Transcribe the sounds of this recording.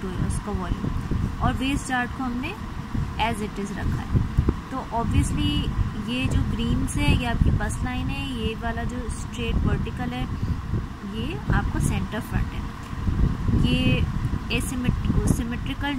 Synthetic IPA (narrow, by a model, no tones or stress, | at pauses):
uʊskaʋɔːlɪ̰̃ɔːɾʋeːst͡ʃaːɾʈkoɦɐmne | ɛːzɪʈɪzɾɐ̰kʰa̰ɦɛ̰t̪oːʔɔːbʋiəslijed͡ʒoːɡɾĩːmsɦɛjeaːp̚kibɐslaːɪnɦɛjeʋaːlad͡ʒoːsʈɾeːʈʋɐɾʈɪkəlɦɛ | jea̰ːp̚kosɛ̃ɳʈəɾfɾɐ̰̃ɳʈɦɛ̰ː | je | esɪmɪʈːsɪmɪʈɾɪkəl